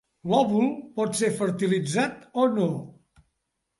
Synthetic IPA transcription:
lɔβulˠpɔt̪sefəɾt̪ilid͡zat̪ono

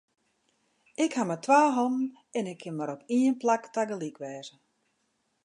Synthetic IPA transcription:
ɪkhamatʰʋaːɦom | ɛnɪkʰːɪnmaɾopʰiənplaktaɡəlikʰʋɛːzə

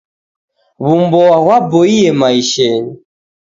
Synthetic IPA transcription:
βumbɔaɣwabɔiɛmaiʃɛni

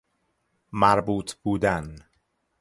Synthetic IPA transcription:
mæɾbuːt̪ʰbuːd̪æn

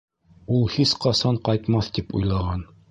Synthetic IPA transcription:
ulˠhisqɑsɑɴqɑjt̪mɑθt̪ipṵjlˠɑʁɑn

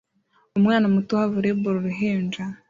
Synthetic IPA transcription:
omŋaːnamutuhaβuɾeβoɾoɾiɦeːnd͡ʒa

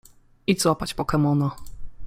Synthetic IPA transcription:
izwapat͡ɕpɔkɛmɔna

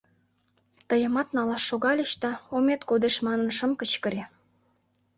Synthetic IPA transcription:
t̪əjə̆mɑt̪nɑlɑʃːoɣɑlʲəʃt̪ɑomet̪kod̪eʃmɑnə̆nʃəmkət͡ɕkə̆ɾe

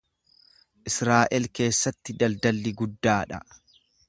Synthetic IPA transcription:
ʔɪsɾaːʔɛlke̞ːsːɐt̪ːɪd̪ɐld̪ɐlːɪɡʊd̪ːaːᶑɐ̰

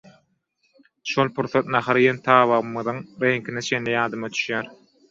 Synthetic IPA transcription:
ʃolˠpʰuɾθɑt̪nɑχɑɾijent̪ʰɑːβɑʁɯmɯðɯŋɾeŋkinet͡ʃʰe̞nlːijɑːd̪ɯmɑd̪ʰy̥ʃjæːɾ

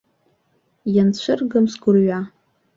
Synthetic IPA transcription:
jant͡ɕʷʰɨrɡɨmsɡʊrɥa

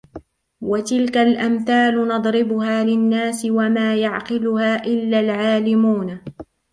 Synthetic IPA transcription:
wat̪ɪlkalʔamθaːlʊnɑd̪ˤɾɪbʊhaːlɪnːaːsɪwamaːjaʕqɪlʊhaːʔɪlːalʕaːlɪmuːn

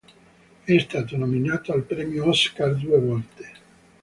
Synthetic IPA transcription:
ɛst̪aːt̪onominaːt̪oalpɾɛːmjoɔskard̪uːevɔlt̪e̥

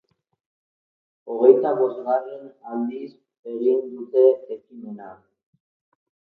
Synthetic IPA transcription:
o̞ɣ̞e̞jt̪aβo̞st̪ɣarenald̪is | eɣind̪ut̪e̞ːkimena

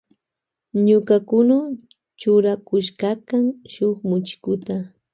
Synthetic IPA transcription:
ɲʊkakʊna | t͡ʃʊɾakʊʃkakaŋʃʊχmʊt͡ʃɪ̥kʊt̪a

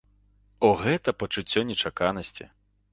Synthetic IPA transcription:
ɔɣɛt̪ɐpɐt͡ʂut͡sʲːɔnʲɛt͡ʂakanɐsʲt͡sʲḭ

